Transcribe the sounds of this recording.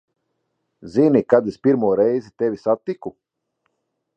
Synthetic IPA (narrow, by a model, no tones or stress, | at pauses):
zinʲikad̪espiɾmuɔɾɛjzit̪evʲisat̪ːiku